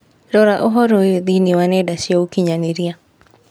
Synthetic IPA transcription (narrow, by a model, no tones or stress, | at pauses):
ɾɔɾaʔoɦɔɾojod̪iniwanɛdaʃjaukiɲaniɾia